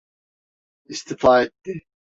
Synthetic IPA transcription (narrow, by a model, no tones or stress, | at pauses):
ist̪ʰifaːet̪ːɪ